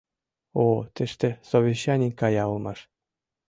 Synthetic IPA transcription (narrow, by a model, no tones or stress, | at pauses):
ot̪ĕʃt̪ĕsoβʲeɕːɑnʲikːɑjɑulmɑʃ